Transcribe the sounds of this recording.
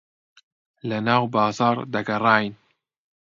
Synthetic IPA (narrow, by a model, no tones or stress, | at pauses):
lɐnɑːwbɑːzɑːɾd̪ɐɡɐrɑːjn